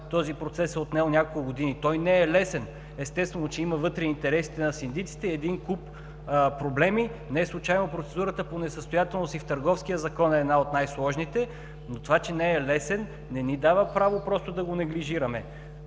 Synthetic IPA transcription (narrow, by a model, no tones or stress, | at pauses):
t̪ɔzipɾot̪sɛsɛot̪nɛonʲakolˠkʊɡod̪init̪ɔjnɛɛlɛsɛn | ɛst̪ɛst̪vɛnot͡ʃɛimɐvɤt̪ɾɛiːnt̪ɛɾɛsi̥t̪ɛnɐsind̪it̪si̥t̪ɛːd̪inkup | pɾoblɛminɛɛslˠut͡ʃajnopɾot̪sɛd̪uɾət̪əponɛsəst̪ojat̪ɛlˠnosift̪ɐɾɡɔfskijəzɐkɔnɛɛːd̪naot̪najslˠɔʒnit̪ɛ | not̪ovat͡ʃɛnɛɛlɛsɛnː | ɛnid̪avəpɾavopɾɔst̪od̪ɐɡonɐɡliʒiɾɐmɛ